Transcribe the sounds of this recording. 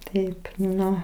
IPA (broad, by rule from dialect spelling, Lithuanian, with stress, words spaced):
ˈtɐɪp ˈnʊ